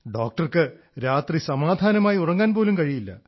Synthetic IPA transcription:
ɖoːk̚ʈɐrkɨ | ɾaːt̪risɐmaːd̪ʱaːnɐmaːjiurɐŋːaːnpo̞ːlumkɐɻijilːɐ̰

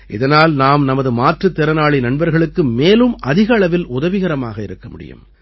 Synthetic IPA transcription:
ʔɪ̰ðɐnaːlnaːmnɐmɐðɯmaːʈrɯt̪ːɛɾɐnaːɭinɐɳbɐɾɣɐɭɯkːɯmeːlɯmʔɐðɪɣɐɭɐʋɪlʊðɐʋɪɣɐɾɐma̰ːɣɐɪɾɯkːɐmʊ̰ɽɪ̰jɯ̰m

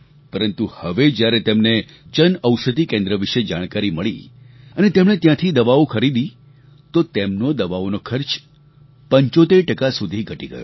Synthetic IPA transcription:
pəɾənt̪uhəʋed͡ʒjaɾet̪emne | t͡ʃənəwʃəd̪ikẽnd̪ɾəʋiʃed͡ʒaɽ̃kaɾiməɭḭ | ənet̪emɳ̃et̪jãt̪ʰid̪əʋaokʰəɾid̪i | t̪ot̪emnod̪əʋaonokʰəɾt͡ʃ | pəɲt͡ʃot̪eɾʈəkasud̪ʱiɡʱəʈiɡə̰jo̰

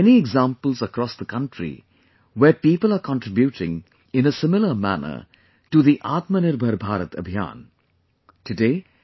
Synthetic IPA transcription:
ɛniɛɡzãːmpəlzəkɾɔːsd̪əkʌ̃nʈɾḭ | ʋepiːpəlˠaːɾkɔ̃nʈɾɪbjuːʈɪ̰̃ŋ | ɪ̃nəsɪmɪləmæ̰nə̰ | ʈuðiʔaːt̪mənɪɾbʱəɾbʱaːɾət̪ə̰bʱija̰ːn | tɨdeː

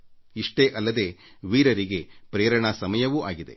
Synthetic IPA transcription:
iʂʈeʔɐlːɐd̪e̞ː | ʋiːɾɐɾiɡe̞pɾeːɾɐɳɐsɐmɐjɐʋuʔaːɡid̪e̞̰

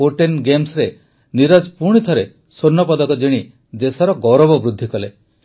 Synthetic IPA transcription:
oʈenɡemsɾe | niɾad͡ʒpuɾɽ̃it̪ʰɔɾe | soɾnːɔpɔd̪ɔkɔd͡ʒiɽ̃i | d̪esɔɾɔɡɔɾɔbɔbɾud̪ʱːikɔle

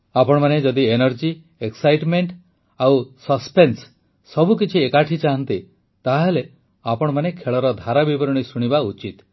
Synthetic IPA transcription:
apɔɽ̃ɔmaned͡ʒɔd̪ienɔɾd͡ʒi | eksajʈmeɳʈ | awsɔspens | sɔbʱuk̬it͡ʃʰiekaʈʰit͡ʃaɦɔnt̪i | t̪aɦele | apɔɽ̃ɔmanekʰeɭɔɾɔd̪ʱaɾabibɔɾɔɽ̃isuɽ̃ibaut͡ʃit̪

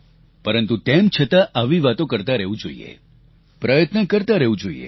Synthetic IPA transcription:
pəɾənt̪ut̪emt͡ʃʰət̪aʔaʋiʋat̪õkəɾt̪aɾəɦʋũd͡ʒo̰ḭḛ | pɾəjət̪nəkəɾt̪aɾəɦũd͡ʒoḭḛ

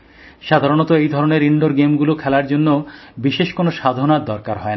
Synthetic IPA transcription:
ʃad̪ʱaɾonɔt̪oejd̪ʱɔɾoneɾiɳɖoɾɡemɡulokʰɛlaɾd͡ʑonːobiʃeʃkonoʃad̪ʱonaɾd̪ɔɾkaɾɦɔena

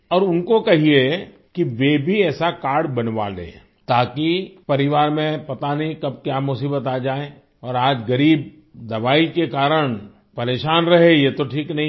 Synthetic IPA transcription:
ɔːɾʊnkokɐɦie | kiʋebʱiɛːsakaːɾɽbɐnʋa̰lḛ̃ː | t̪aːkipɐɾɪʋaːɾmẽpɐt̪anɦĩkɐb̚kjaːmʊsiːbət̪aːd͡ʒaːẽː | ɔːɾaːd͡ʒɡɐɾiːb̚ | d̪ɐʋaːikekaːɾəɽ̃ | pɐɾeːʃaːnɾɐɦejet̪oʈʰiːknɐɦĩ

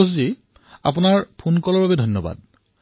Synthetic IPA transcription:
szi | a̰p̬ʊnaɹpʰunkɔlɔɹbabɛdʱɔjnːɔba̰d̚

